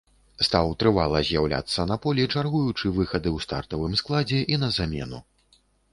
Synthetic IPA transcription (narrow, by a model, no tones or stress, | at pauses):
st̪awt̪ɾɨvalˠɐzʲjawlʲa̰t̪sːɐnɐpɔlʲit͡ʂarɣujut͡ʂɨvɨxɐd̪ɨwst̪a̰rt̪ɐvɨmsklˠad͡zʲɛʔin̪ɐzamʲɛ̰nu